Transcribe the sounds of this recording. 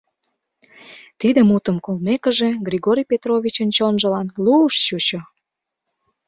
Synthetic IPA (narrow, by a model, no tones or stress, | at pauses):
t̪id̪əmut̪əmkolmekə̆ʒe̽ɡrʲiɣoɾʲijpʲet̪rovʲit͡ɕənt͡ɕonʒə̆lɑnluəʃt͡ɕut͡ɕo